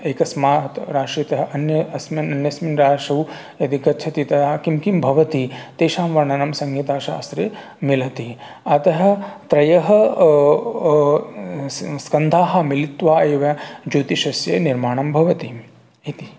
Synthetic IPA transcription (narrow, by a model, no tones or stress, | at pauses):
eːkɐsmaːt̪ɾaːʂɾit̪ɐɦɐʔɐnjɐɐsmɐnɐnjɐsminɾaːʂɐw | ɐd̪ʱikɐtːt͡ʃʰɐt̪it̪ɐjaːkimkimbʱɐʋɐt̪it̪eːʃaːmʋɐɾɳɐnɐmsɐŋɡiːt̪aːʃa̰ɐsɾe | milɐt̪i | ɐt̪ɐɦɐ̆t̪ɾɐjɐɦɐ | skɐnd̪ʱaːɦɐmilit̪ʋaːeːʋɐd͡ʒoːt̪iʃɐsjɐniɾmaːɳɐmbʱɐʋɐt̪i | it̪i